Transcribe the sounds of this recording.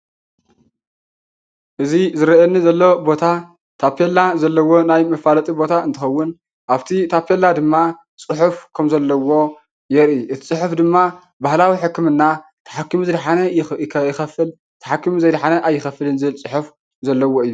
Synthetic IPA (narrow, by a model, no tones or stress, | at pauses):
ʔɨzizɨɾɐenːizɐlːobo̞t̪ʰa | t̪ʰapʰelːazɐlːɐwo̞najmɐfalɐt̪ʼibo̞t̪ʰaɨnt̪ɨxɐwːʊn | ʔaβt̪ʰit̪ʰapʰe̞lad̪ɨmːa | t͡sʼɨħufkʰɐmzɐlːɐwo̞ | jɛɾiʔɨt̪ʰi̥t͡sʼɨħufd̪ɨmːa | bahlawiħɨkːɨmɨnːa | t̪ʰɐ̥ħakːɨmuzɨd̪ħanɐɐjɪxɐfɨl | t̪ʰɐħakːɨmuzɐjd̪ħanɐʔajːɪxɐfɨlɨnzɨɨlt͡sʼɨħuf | zɐlːɐwo̞ɨjːu